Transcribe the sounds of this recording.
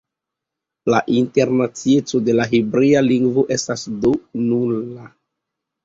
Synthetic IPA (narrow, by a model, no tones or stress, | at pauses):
laʔinte̞ɾnat͡sie̞t͡so̞de̞laɦibɾialiŋɡvo̞ʔe̞stasdonula